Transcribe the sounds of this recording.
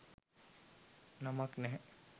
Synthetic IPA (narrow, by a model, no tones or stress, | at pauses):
namaknɛɦɛ